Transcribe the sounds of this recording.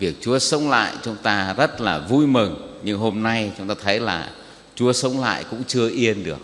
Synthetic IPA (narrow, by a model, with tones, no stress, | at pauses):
vi˨˩ək̚t͡ɕu˨˦əsə˨˦wŋ͡mla̰ː˧˨jt͡ɕʊ˨˦ŋ͡mt̪aː˧zə˦˥t̚laː˨˩vu˧jmɨ˨˩ŋɲɨ˧ŋɦo˧mna˧jt͡ɕʊ˨˦ŋ͡mt̪aː˧t̪ʰə˨˦jlaː˨˩ | t͡ɕu˨˦əsə˨˦wŋ͡mla̰ː˧˨jkʊ̰˧˥ŋ͡mt͡ɕɨ˧əʔi˧ənɗɨ˨˩ək̚